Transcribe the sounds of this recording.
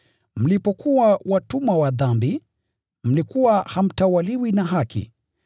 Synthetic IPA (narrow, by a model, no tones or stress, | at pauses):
m̩lipɔkuwawatumawaðambi | m̩likuwaham̩tawaliwinaɦakḭ